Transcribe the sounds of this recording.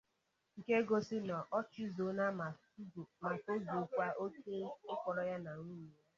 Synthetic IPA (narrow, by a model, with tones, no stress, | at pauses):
ŋ̩˨ke˦ɡo˦sɪ˦nɔ˨ʔɔ˦t͡ʃɪ˦zo˨˦na˦m˨˦˨ | ma˨so˦ɡu˨kʷa˦ʔo˦ke˦ɪ˦kʷɔ˨ɾɔ˨ja˦na˨ŋu˦me˦